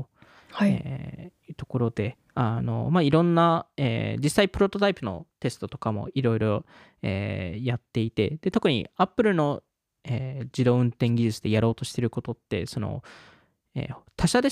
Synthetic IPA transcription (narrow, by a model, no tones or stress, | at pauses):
o | hḛjɯ̟ːt̪o̞̥ko̞ɾo̞d̪e̞ | ano̞̰maiɾõ̞nːaḛːd͡ʑisːaipɯ̟ɾo̞t̪ot̪aipɯ̟no̞̰t̪e̞sɨ̥t̪o̞t̪o̞kamo̞̰iɾo̞iɾo̞ | ḛːjat̪ːe̞it̪e̞̰d̪̥e̞t̪o̞k̟ɲ̟ḭapːɯ̟ɾɯ̟no̞ | eːd͡ʑid̪o̞ːɯ̟̃nt̪ẽ̞ŋɡʲiʑɨt͡sɨd̪e̞jaɾo̞ːt̪o̞ɕi̥t̪e̞ɾɯ̟ko̞t̪o̞t̪ːe̞̰so̞no̞̰ | ḛːt̪ʰaɕad̪e̞